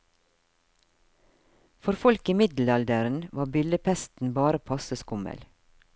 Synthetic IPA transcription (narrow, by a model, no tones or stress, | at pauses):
fɔɾfɔlkimɪd̪l̩ɑld̪əɾn̩ʋɑːbʏləpʰɛst̪n̩bɑːɾəpʰɑsəskʊmə̰l